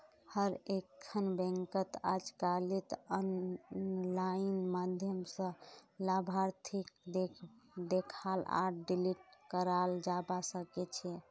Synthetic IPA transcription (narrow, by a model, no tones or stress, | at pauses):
həɾekʰːənbɛ̃ŋkət̪ad͡ʒkalit̪ən | lajinmad̪ʱjəmsə̃labʱaɾt̪ʰik̚d̪ed̪ekʰala̰ɖiliʈ̚kəɾald͡ʒabasəkɛt͡ʃʰɛ